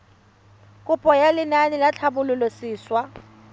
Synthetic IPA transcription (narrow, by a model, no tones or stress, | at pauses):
kʼʊpʼɔjalɪnanɪlat͡ɬʰabʊlʊlʊsiːswa